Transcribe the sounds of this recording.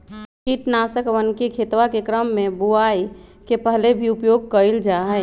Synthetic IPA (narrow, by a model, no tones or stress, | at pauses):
kiʈnasəkʋənkekʰet̪wakekɾəmːẽbuaikepəɦlebʱiupjoɡ̚kəld͡ʒaɦə